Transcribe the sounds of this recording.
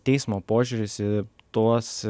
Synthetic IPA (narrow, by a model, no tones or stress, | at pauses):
t̪ʲɛɪsmoːpoːʒʲʊɾʲɪsɪt̪uɔs